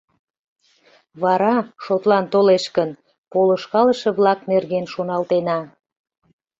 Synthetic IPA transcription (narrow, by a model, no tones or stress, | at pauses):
βɑɾɑʃot̪lɑnt̪oleʃkən | poloʃkɑləʃeβlɑknerɣenʃonɑlt̪enɑ